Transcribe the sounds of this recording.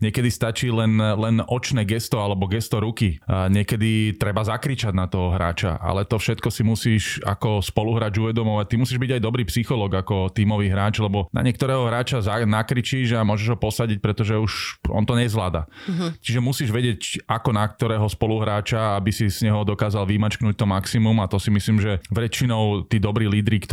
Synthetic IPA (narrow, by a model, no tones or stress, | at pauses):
ɲɪɛkɛd̪ist̪at͡ʃiːlɛnlɛnɔt͡ʃnɛːɡɛst̪ɔalɛbɔɡɛst̪ɔɾukiɲɪɛkɛd̪it̪ɾɛbazakɾit͡ʃaɟnat̪ɔɦɔɦɾa̰ːt͡ʃa̰ʔa̰lɛt̪ɔfʃɛt̪kɔsimusiːʃa̰kɔspɔluɦɾaːd͡ʒuʋɛd̪ɔmɔʋac̚t̪imusiːʒbiɟajd̪ɔbɾiːpsixɔlɔːɡakɔt̪iːmɔʋiːɦɾaːt͡ʃlɛbɔna̰ɲɪɛk̚t̪ɔɾɛːɦɔɦɾaːt͡ʃazanakɾit͡ʃiʒamʊɔʒɛʒɦɔpɔsaɟic̚pɾɛt̪ɔʒɛuʃɔ̰nt̪ɔɲɛzlaːd̪a̰t͡ʃiʒɛmusiːʒʋɛɟɪɛcakɔnak̚t̪ɔɾɛːɦɔspɔluɦɾaːt͡ʃaabisiz̥ɲɛɦɔd̪ɔkaːzalʋimat͡ʃknuc̚ʲt̪ɔmaksimumat̪ɔsimisliːmʒɛʋɛt͡ʃinɔʊt̪iːd̪ɔbɾiːliːd̪ɾikt̪